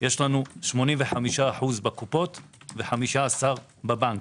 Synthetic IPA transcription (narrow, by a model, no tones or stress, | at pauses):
jeʃlanuʃmo̞nimveħamiʃaːħuzbakupo̞t̪veħamiʃaːsaʁ | babank